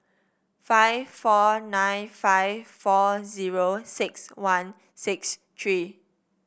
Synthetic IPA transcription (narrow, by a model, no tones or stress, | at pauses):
faɪvfɔnãjnfaɪvfɔziɹosɪkswãn | sikst̪ʰɹi